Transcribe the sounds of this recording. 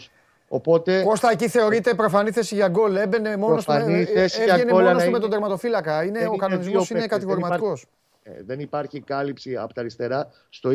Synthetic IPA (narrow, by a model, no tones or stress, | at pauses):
opo̞t̪e̞post̪ɐeciθe̞o̞ɾit̪e̞pɾo̞fɐniθe̞siʝɐɡo̞lebe̞nemo̞nosnieseeneomet̪od̪eɾmɐt̪o̞filɐkɐineokɐno̞nizmo̞sine̞kɐt̪iɣoɾimɐt̪iko̞s | ðenipɐɾçikɐlipsiɐ̰pot̪ɐɾist̪e̞ɾɐ | st̪o̞